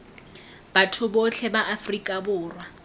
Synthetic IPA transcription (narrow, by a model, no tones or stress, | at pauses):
b̥atʰʊbot͡ɬʰɛbaʔafrikʼabʊːrwa